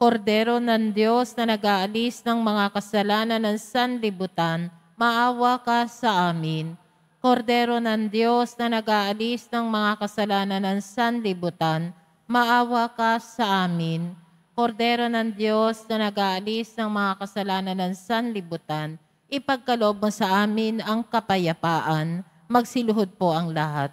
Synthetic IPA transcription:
koɾd̪ɛɾo̞nɐŋd̪jo̞snɐnɐɡʔaːʔɐlisnɐŋmɐŋakɐsɐlaːnɐnɐŋsanlɪbʊt̪an | mɐʔaːwɐkɐsɐʔaːmɪn | ko̞ɾd̪ɛːɾo̞nɐŋd̪jo̞snɐnɐɡʔaʔɐlisnɐŋmɐŋakɐsɐlaːnɐnɐŋsanlɪbʊt̪an | mɐʔaːwɐkɐsɐʔaːmɪn | ko̞ɾd̪ɛːɾo̞nɐŋd̪jo̞snɐnɐɡaʔɐlisnɐŋmɐŋakɐsɐlaːnɐnɐŋsanlɪbut̪an | ʔɪpɐɡ̚kɐloʔob̚mosɐʔaːmɪnʔɐŋkɐpɐjɐpaːʔɐn | mɐɡsɪlʊɦod̪̚po̞ʔɐŋlɐhat̪̚

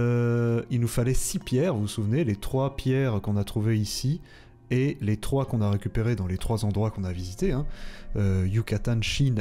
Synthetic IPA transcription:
øilnufalɛsipjɛːʁvusuvnelet̪χwapjɛʁkɔ̃nat̪χuveisi | elet̪χwakɔ̃naʁekʲypeʁed̪ɑ̃let̪χwazɑ̃d̪ʁwakɔ̃navizit̪eɛ̃øjukat̪anʃin

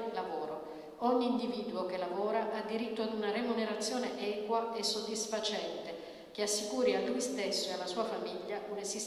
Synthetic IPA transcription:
lavoːɾo | ɔɲːiːnd̪iviːd̪uok̟elavoːɾaʔad̪ːiɾit̪ːoad̪unaremuneɾat̪sːjoːneʔɛːkwaesːod̪ːisfat͡ʃɛnt̪e | k̟easːikuːɾialːujst̪esːoealːasuːafamiʎːaʔunezis

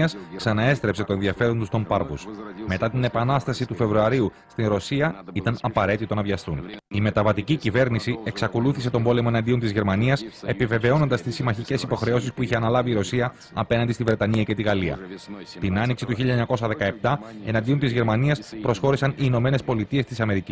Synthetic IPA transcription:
ɐsksɐnɐe̞st̪ɾe̞pse̞t̪o̞e̞nðiɐfe̞ɾont̪ust̪o̞mpɐɾvṵsme̞t̪ɐt̪ine̞pɐnɐst̪ɐsit̪ufe̞vɾuɐɾiu | st̪inɾo̞siɐit̪ɐnɐpɐɾe̞t̪it̪o̞nɐvʝɐst̪unime̞t̪ɐvɐt̪icicive̞ɾnisie̞ksɐko̞luθise̞t̪o̞mbo̞le̞mo̞enɐnd̪io̞nt̪izʝe̞ɾmɐniɐse̞pive̞ve̞o̞no̞nd̪ɐst̪isimɐçice̞sipo̞xɾe̞o̞sispuiçeɐnɐlɐviːɾo̞siɐ | ɐpe̞nɐnd̪ist̪ivɾe̞t̪ɐniɐce̞t̪iɣɐliɐ̰t̪inɐniksit̪uçiʎːɐeɲɐko̞sɐðe̞kɐe̞p̚t̪ɐe̞nɐnd̪iont̪izʝe̞ɾmɐniɐspɾo̞sxo̞ɾisɐniːno̞me̞ne̞spo̞lit̪ie̞st̪isɐme̞ɾici

